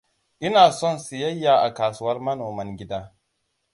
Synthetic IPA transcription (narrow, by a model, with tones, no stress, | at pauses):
ʔɪ˦naː˨sɔ˦˨nsu˨jɐ˦jːaː˨ʔa˨kaː˨su˦wɐ˦rmɐ˦noː˨mɐ˦ŋɡʲɪ˦daː˦